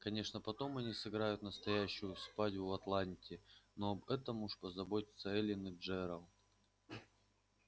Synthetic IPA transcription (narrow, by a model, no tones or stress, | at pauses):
kɐnʲe̞ʂnəpɐt̪o̞mɐnʲisɨɡɾajʊt̪nəst̪ɐjæɕːʊjʊspatʲvʊɐt̪lˠanʲtʲɪnoɐbɛt̪əmuʂpəzɐbo̞tʲɪ̥t̪səɛlʲɪnɨʐɛɾəlˠ